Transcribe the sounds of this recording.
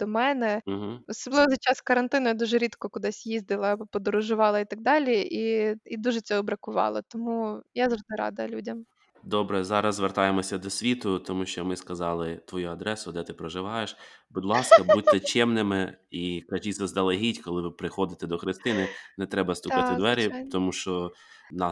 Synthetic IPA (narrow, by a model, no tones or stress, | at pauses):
d̪̥ɔmɛnɛɦ̩ɔsɔblˠɪʋɔzɐt͡ʃɑskɐɾɐnt̪ɪnʊjad̪uʒɛɾʲit̪kɔkʊd̪ɪsʲjizd̪ɪlˠɐpɔd̪ɔɾʊʒʊʋɑlˠɐit̪ɐɡ̚d̪ɑlʲiiid̪uʒɛt͡sʲɔɦɔbɾɐkʊʋɑ̰lˠɐt̪ɔmujazɔd̪ɪɾɑ̰d̪ɐlʲudʲɐm | d̪ɔbɾɛzɑɾɐzzʋert̪ɑjemɔsʲɐd̪ɔsʲʋʲit̪ʊt̪ɔmuʃt͡ʃɔmɪskɐzɑlˠɪt̪ʋɔjuɐd̪ɾɛsʊd̪ɛt̪ɪpɾɔʒɪʋɑjeʃbʊd̪ʲlˠɑskɐbuɛt͡ʃʲɛmnɪmɪikɐʒʲizɐzd̪ɐlˠɐɦʲitʲkɔlˠɪʋɪpɾɪxɔd̪ɪt̪ɛd̪ɔxɾɪst̪ɪnɪnɛt̪ɾɛbɐst̪ukɑɪd̪ʋɛɾʲit̪ɔmuʃt͡ʃɔnɑ